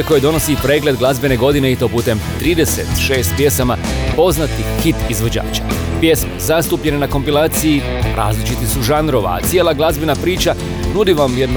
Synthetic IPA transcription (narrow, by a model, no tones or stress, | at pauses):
eko̞jed̪o̞no̞sipɾe̞ːɡle̞d̪ɡlˠazbe̞ne̞ɡo̞d̪ineit̪o̞puːt̪e̞mt̪ɾiːd̪e̞se̞t̪ʃe̞ːst̪̚pje̞samapo̞znat̪ihit̪izʋo̞d͡ʑa̰ːt͡ʃḁ | pje̞sme̞̰zast̪uːpʎe̞ne̞nako̞mpilaːt̪siji | ɾʔa̰ːzlit͡ʃit̪isuʒanɾo̞ʋa̰a̰t̪sje̞ːlˠaɡlˠazbenapɾiːt͡ʃa | nud̪iʋamʋjed̪n